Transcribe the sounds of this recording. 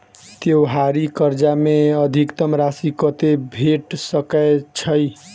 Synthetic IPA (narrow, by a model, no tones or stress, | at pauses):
t̪joɦaɾikʌɾd͡ʒameʌd̪ʱikt̪ʌmɾasikət̪ebʱeʈsʌkat͡ʃʰʌj